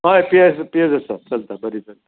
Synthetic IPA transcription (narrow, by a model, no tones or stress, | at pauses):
ɦajpiaspied͡zəsat͡səlt̪abəɾit͡səlt̪a